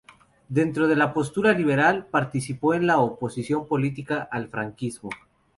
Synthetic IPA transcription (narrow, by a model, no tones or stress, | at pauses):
d̪e̞nt̪ɾo̞ð̞e̞lapo̞st̪uɾaliβe̞ɾalpaɾt̪isipo̞enlaopo̞sisjo̞mpo̞lit̪ikaʔːlfɾaŋkizmo